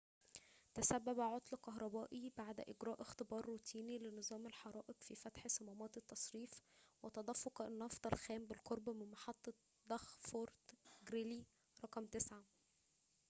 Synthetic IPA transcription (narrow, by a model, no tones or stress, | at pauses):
t̪æsæbːæbæʕot̪ˤlkɑɦɾˤɑbæːʔibaʕd̪ʔɪɡɾɑːʔext̪ebɑːrˤːut̪ʰiːnilenɨzˤɑːmelħɑɾˤɑːʔeqfifæt̪ħsɑmæmɑːt̪ˤet̪ːɑsˤɾiːfwet̪ɑd̪ˤɑfːoqnːɑft̪ˤɑlxæːmbelqoɾˤbmɪnmɑħɑt̪ˤːɑ | d̪̥ɑxfoɾt̪ɡɾili | ɾˤɑqɑmt̪esʕa